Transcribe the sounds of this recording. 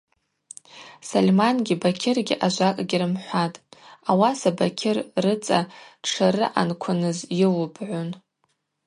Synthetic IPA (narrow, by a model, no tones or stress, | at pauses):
salʲmanɡʲibakʲʰɪrɡʲiʔaʒʷakʼɡʲɪɾɨmħʷatʼawasabakʲʰɪrːɨt͡sʼaʈ͡ʂʰaɾɨ̰ʔa̰nkʷʰʊnɨzjɪlbʰʼʕʷʊn